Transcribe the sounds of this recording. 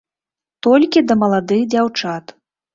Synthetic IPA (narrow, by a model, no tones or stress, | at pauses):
t̪ɔlʲkʲid̪ɐmɐlˠad̪ɨɣd͡zʲawt͡ʂat̪